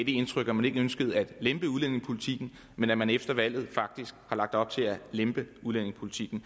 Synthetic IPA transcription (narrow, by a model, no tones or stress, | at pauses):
d̥ee̝nt͡sʰʁœɡ̥æmæne̝ɡ̥əønsɡ̥əð̞̩ˠæd̥lemb̥əuð̞ˠlen̰e̝ŋpʰo̝lit͡sʰiɡ̥n̩ | menæmænefd̥ɐʋæl̰ð̩ˠfɑ̈ɡ̥̚d̥isɡ̥hɑ̈lɑ̈ɡ̥̚d̥ɒ̽b̥̚t͡sʰe̝lælemb̥əuðˠlen̰e̝ŋspʰo̝lit͡sʰiɡ̥n̩